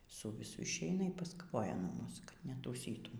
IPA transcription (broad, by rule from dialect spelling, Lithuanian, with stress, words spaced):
sʊ ʋʲɪˈsʊ ɪʃʲˈɛɪnɐ iː pɐskɐˈʋoːjɛ nuɔ ˈmuːs kɐt nʲɛtuːˈsʲiːtʊm